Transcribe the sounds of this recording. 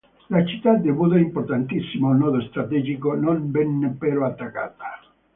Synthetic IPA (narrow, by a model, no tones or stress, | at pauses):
lat͡ʃit̪ːad̪ebud̪eimpoɾt̪ant̪isːimoulnɔːðost̪ɾat̪ɛd͡ʒikononbɛnːepːeɾoat̪ːakːa̰ːt̪a